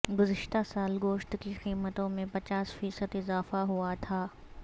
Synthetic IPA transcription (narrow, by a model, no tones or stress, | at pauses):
ɡʊzɪʃt̪asaːlɡoːʃt̪kiqiːmət̪õmẽpɐt͡ʃaːsfiːsəd̪ɪzaːfaɦuat̪ʰaː